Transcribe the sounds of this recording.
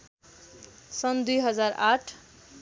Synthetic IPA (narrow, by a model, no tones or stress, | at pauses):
sʌnd̪ujɦʌd͡zaraʈʰ